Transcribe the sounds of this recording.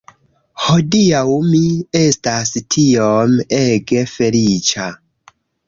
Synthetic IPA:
ho̞diawmie̞stastʰiomeɡe̞fe̞lit͡ʃa

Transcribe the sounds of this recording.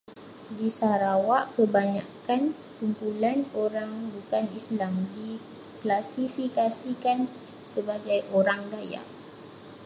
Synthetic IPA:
disaɾawaʔkəbaɲakan | kumpulanoɾaŋbukanislamdi | klasifikasikan | səbaɡajʔoɾaŋdaja̰ʔ

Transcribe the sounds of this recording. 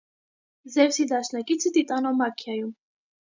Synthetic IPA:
zɛvsid̪aʃnakʼit͡sʰit̪it̪ʼanɔmakʰiajum

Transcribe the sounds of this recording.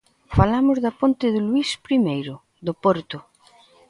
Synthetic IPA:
falamʊzðapont̪ɪðɪlwispɾimejɾʊ | ðʊpɔɾt̪ʊ

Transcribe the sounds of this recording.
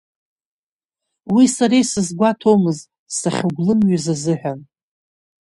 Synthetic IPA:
wisaɾejsɨzɡʷatʰo̞mɨz | saχʲʊɡʷlɨmɥazazɨħʷᶣan

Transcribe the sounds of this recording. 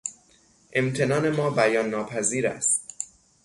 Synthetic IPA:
ʔe̞mt̪ʰe̞nɒːne̞mɒːbæjɒːnːɒːpʰæziːɾæ̰st̪̚

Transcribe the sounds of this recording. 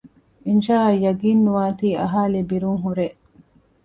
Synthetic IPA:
inʃaːɐjːɐɡiːnːuʋaːt̪iːɐɦaːlibiɾuŋɦuɾeʔ

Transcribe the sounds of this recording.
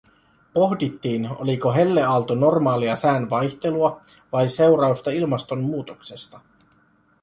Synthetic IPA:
po̞ɦdit̪ːiːno̰liko̞ɦe̞lːe̞ɑlt̪ono̞rmɑːliɑsæːnʋɑjçt̪e̞luɑ | ʋɑjse̞wɾɑust̪ɑilmɑst̪o̞mːuːt̪okse̞st̪ɑ

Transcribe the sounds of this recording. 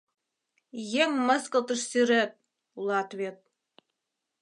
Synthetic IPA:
jeŋmə̆skəlˠt̪ə̆ʂsyɾep̚ | ulˠɑt̪vʲet̪̚

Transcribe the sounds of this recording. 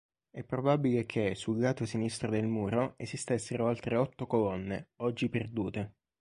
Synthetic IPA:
ɛpːɾobabilek̟ʰesulɡaːt̪osinist̪ɾod̪elmuːɾoezist̪esːeɾoalt̪ɾeɔt̪ːokolɔnːeɔd͡ʒːiperd̪uːt̪e

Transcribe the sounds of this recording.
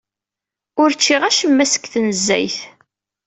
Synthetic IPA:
ʊɾt͡ʃːiʁæʃəmːæsə̥kθnəzːæ̰jθ

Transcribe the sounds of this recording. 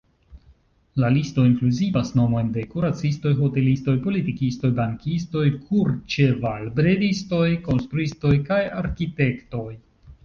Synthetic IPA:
lalisto̞iŋkluzivasno̞mo̞jnde̞kuɾat͡sisto̞jɦo̞te̞listo̞jpo̞litikisto̞jbaŋkisto̞jkʰuɾt͡ʃevalbɾe̞disto̞jko̞nst̪ɾuisto̞jkajaɾkite̞kto̞j

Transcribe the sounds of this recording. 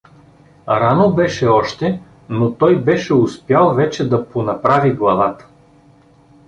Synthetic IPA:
ɾanobɛʃɛɔʃt̪ɛ | not̪ɔjbɛʃɛʊspjalˠvɛt͡ʃɛd̪ɐponɐpɾaviɡlˠɐvat̪ə̥

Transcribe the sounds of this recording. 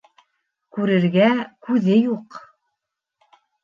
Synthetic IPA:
kʉɾɘ̆ɾɡækʉðɘjuq

